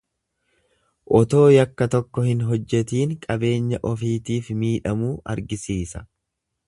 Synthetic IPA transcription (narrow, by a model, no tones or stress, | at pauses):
ʔɔt̪o̞ːjɐkːɐt̪ɔkːɔhɪnɦɔd͡ʒːɛt̪iːŋkʼɐbe̞ːɲːɐʔɔfiːt̪iːfmiːᶑɐmuːɐ̰ɾɡɪsiːsɐ̥